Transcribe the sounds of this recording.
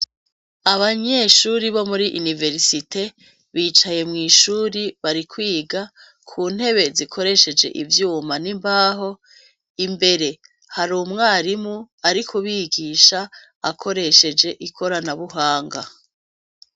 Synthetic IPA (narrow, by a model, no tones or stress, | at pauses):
aβaɲe̞ʃuɾiβo̞muɾiʔunive̞ɾsitʰe̞ | βiːt͡ʃaje̞mŋiːʃuːɾiβaɾikwiːɡa | kʰuːn̥he̞βe̞zikʰo̞ɾe̞ʃe̞d͡ʒe̞̰ʔivjuːmanimbaːɦo̞ | imbe̞ɾe̞ | haɾuːmŋaːɾimŋu | aɾikʰuβiːɡiːʃa̰ː | kʰo̞ɾe̞ʃe̞d͡ʒe̞ʔikʰo̞ɾanaβuɦaːŋɡa